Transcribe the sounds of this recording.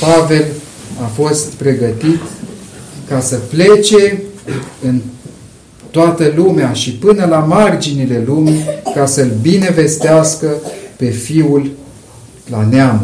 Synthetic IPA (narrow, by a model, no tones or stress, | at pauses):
pave̞l | afo̞st̪pɾe̞ɡət̪it̪ | kasəple̞t͡ʃe̞ | ɨn | t̪oat̪əlumeaʃipɨnəlamard͡ʒinile̞lumikasəɨlbine̞ve̞st̪easkəpe̞fiul | laneam